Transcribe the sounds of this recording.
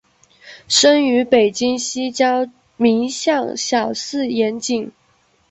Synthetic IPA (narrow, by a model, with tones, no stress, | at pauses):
ʂə˥ny˧˥pe˨˩ɪt͡ɕi˥ŋɕi˥t͡ɕjɑ˥ʊ | mi˧˥ŋɕjɑ˥˩ŋɕjɑ˨˩ʊsɹ̩˥˩jɛ˧˥nt͡ɕi˨˩˦ŋ